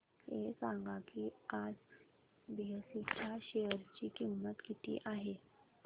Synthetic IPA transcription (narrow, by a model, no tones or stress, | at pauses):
esãŋɡakiad͡z | biəsit͡ɕʰaɕejəɾt͡ɕiːkimːət̪kit̪ʰḭːʔaɦe